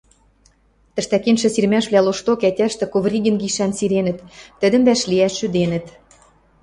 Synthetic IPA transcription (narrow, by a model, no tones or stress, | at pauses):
t̪ə̆ʃt̪ækenʃɘ̆sirmæʃβlʲæloʃt̪okætʲæʃt̪ɘ̆kovrʲiɡʲɘ̆nɡiʃænsiɾenɘ̆t̪ːə̆d̪ə̆mbæʃliæʃːyd̪enə̆t̪